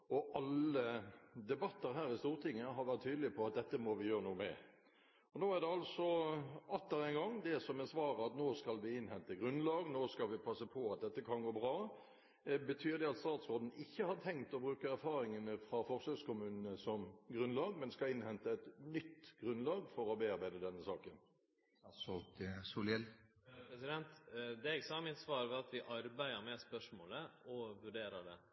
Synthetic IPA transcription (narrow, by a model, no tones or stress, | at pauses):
ɔʔɑləd̪ɛbɑt̪ːəɾɦæːɾɪst̪uːʁt̪ʰɪŋːəɦɑɾʋæʁt̪ʰːyːd̪əlɪpʰɔɑt̪̚d̪ɛt̪ːəmɔʋɪjøːʁənuːmɛ̰ | ɔnoːæʁd̪ɛɑlsɔʔɑt̪ːəɾɛɪnɡɑŋd̪ɛsɔmɛsʋɑːɾəɑt̪noːskɑlʋɪɪnhɛnt̪əɡʁʉnlɑːɡnoːskɑlʋɪpʰɑsəpʰɔɑt̪̚d̪ɛt̪ːəkʰɑnɡoːbʁɑː | bət̪ʰyːɾd̪ɛɑt̪st̪ɑːt̪sʁoːd̪n̩ɪçːəhɑt̪ʰɛŋt̪ɔbɾʉːkəæɾfɑːɾɪŋənəfɾɑfɔʁsøskʊmʉːnənəsɔmɡʁʉnlɑːɡmɛnskɑlɪnhɛnt̪əɛt̪nʏt̪ːɡ̥ʁʉnlɑːɡfɔɾɔbeːɑɾbæɪd̪əd̪ɛnːəsɑːkən | sɔt̪sulɛl | pɾɛsɪd̪ɛnt̪d̪ɛɛɡsɔæmɪnt̪sʋɑːɾʋɛɑt̪ʋɪʔɑɾbæɪəɾmɛspœʂmoːləɔʋʉɖeːɾəɖ̪ɛ